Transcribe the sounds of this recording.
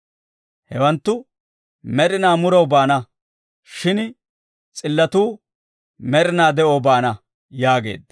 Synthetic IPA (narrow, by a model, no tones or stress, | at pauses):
hɛwɐnt̪ːʊ | mɛɾɪnaːmʊɾɐwbaːnɐ | ʃɪn | t͡sʼɪlːɐt̪uː | mɛɾɪnaːd̪ɛʔobaːnɐ | jaːɡe̞̰ːd̪ɐ